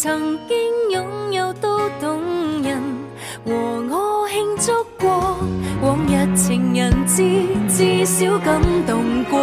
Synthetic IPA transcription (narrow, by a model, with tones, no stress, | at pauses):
t͡sʰɐ˨˩ŋkɪ˥ŋjʊ˨˧˥ŋjɐ˨˧wt̪o˥t̪ʊ˨˧ŋjɐ˨n | wɔː˨˩ŋɔ˨hɪ˧ŋt͡sɔ˥kːɔ˧wɔː˨˩ŋjɐ˨˧t̚t͡sʰɪ˨˩ŋjɐ˨˩nt͡si˥t͡siː˧si˨˥wkɐ˧˥mt̪ʊ˨˩ŋkɔ˧